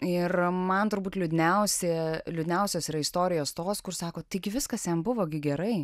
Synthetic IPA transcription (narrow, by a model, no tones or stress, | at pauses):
ɪrmɐnt̪ʊɾbuːt̪lʲʊd̪ʲɪnʲɛʊsʲeːlʲʊdʲɪnʲɛʊsʲoːsiːɾɐɪst̪oːɾʲɪjoːst̪oːskʊrsɑːkoːt̪ɐɪɡʲɪʋʲɪskɐsjɛmbʊʋoːɡʲɪɡʲɛɾɐɪ